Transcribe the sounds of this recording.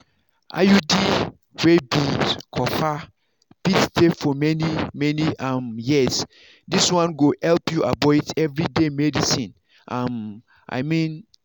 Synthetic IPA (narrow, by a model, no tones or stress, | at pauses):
ʔa̰judi | webĩdkʰɔfa | bitstʰefɔmɛnimɛniamjis | diswãnɡohɛlpjuʔabɔtɛvɹidemɛdisĩn | ʔãm | ʔa̰ɪmĩn